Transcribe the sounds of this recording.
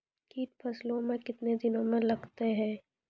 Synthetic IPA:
kiːʈ̚pʰɐslõmẽkɪt̪ned̪ɪnõmẽlɐɡt̪eɦɛ̃ː

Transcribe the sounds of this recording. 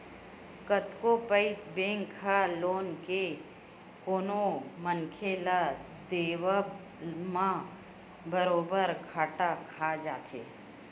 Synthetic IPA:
kət̪kopəɪt̪bẽːŋkʰːaloːnke | koːnomənkʰela | d̪eːwa | mã | bəɾoːbəɾkʰaːʈakʰad͡ʒaːt̪ʰḛː

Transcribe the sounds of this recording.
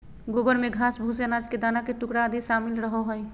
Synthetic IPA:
ɡobəɾmeɡʱasbʱusənad͡ʒked̪anakeʈukɽad̪iʃamilɾəɦɔɦəj

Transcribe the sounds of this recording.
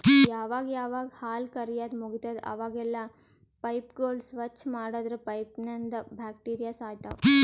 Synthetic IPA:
jaːʋaːɡjaːʋaːɡɐhaːlkɐɾijaːd̪muɡit̪ɐd̪ɐ̰ʋaːɡɛlːɐ | pɐjpɡoːlsʋɐt͡ʃːmaːɽɐd̪ɾepɐjpnɐnd̪ɐbʱaːkʈiːɾijaːsaːjt̪ɐ

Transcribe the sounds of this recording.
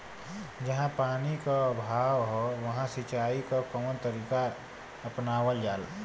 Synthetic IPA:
d͡ʒɐɦãpaːnikabʱaːʋɦoʋɐɦãsit͡ʃaːikakəmənt̪əɾiːka | ɐpnaːʋəld͡ʒaːl

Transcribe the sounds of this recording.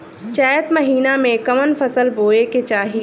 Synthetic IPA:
t͡ʃɛːət̪mɐɦiːnamẽkɐmənfɐsəlboːeket͡ʃaːɦi

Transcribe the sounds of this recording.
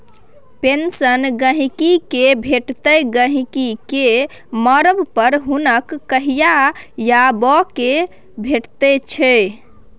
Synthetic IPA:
pensənɡəɦikikebʱeʈt̪əɡəɦikike | məɾəbpəɾɦunəkːəɦijajabɔke | bʱeʈt̪ɛt͡ʃʰɛ

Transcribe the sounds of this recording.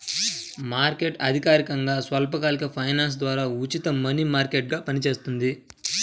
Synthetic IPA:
maːɾke̞ʈɐd̪ʱikaːɾikɐŋɡaːsʋɐlp̬ɐkaːlikɐpʰɐjnaːns̬d̪ʋaːɾaːut͡ʃit̪ɐmɐnimaːɾkeʈ̚ɡaːpɐnit͡ʃe̞ːst̪und̪i

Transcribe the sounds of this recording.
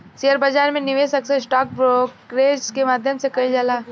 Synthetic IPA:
sijəɾbəd͡ʒaːɾmẽnɪʋesɐksessʈɔːk̚bɾokɾeːd͡ʒkemaːd̪ʱjəmsekɐid͡ʒalaː

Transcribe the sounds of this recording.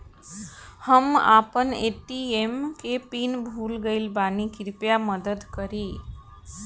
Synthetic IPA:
həma̰pəneʈiemkepinbʱulɡeɪlbanikiɾpjaməd̪əd̪kəɾi

